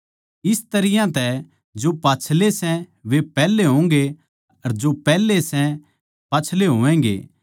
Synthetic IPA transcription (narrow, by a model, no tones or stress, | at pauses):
ɪst̪ɐɾɪjãt̪ɛ | d͡ʒopaːt͡ʃʰlesɛ̃ʋepɛːlːeɦõŋɡe | ɐɾd͡ʒopɛːlesɛ̃ | paːt͡ʃʰleɦoːʋɛ̃ːŋɡḛː